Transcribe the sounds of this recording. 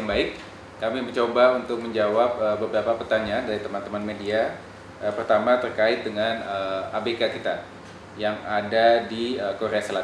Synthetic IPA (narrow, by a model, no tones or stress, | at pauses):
ŋbaɪk̚ː | amibət͡ʃobaunt̪ʊk̚məɲd͡ʒawap̚əbəbɾapapərt̪aɲaandaɾit̪əmant̪əmanmedia | ʔəpərt̪amat̪ərkaɪt̪̚dəŋanəabekakit̪a | jaŋadadiəkoɾeasəla